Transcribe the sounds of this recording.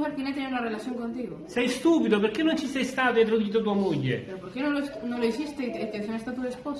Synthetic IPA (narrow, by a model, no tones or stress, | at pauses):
βeɾkinajt̪eneunarelaθjoŋkõnt̪iɣosɛjst̪uːpid̪op̬eɾkenːõnt͡ʃisɛjst̪at̪int̪ɾod̪uiːt̪̬ot̪uamoʎːepeɾopoɾkenõlesnõloesist̪et̪et̪es̬õŋest̪at̪uðespos